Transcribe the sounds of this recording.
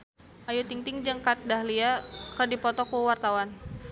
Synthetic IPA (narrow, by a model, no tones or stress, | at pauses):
ʔajut̪iŋt̪ɪŋd͡ʒəŋkat̪̚dahliakərdipɔt̪ɔkuwart̪awan